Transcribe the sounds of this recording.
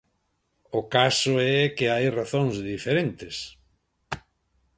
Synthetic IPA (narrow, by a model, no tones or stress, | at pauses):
ʊkasʊɛkɪajraθõŋzðifeɾent̪ɪs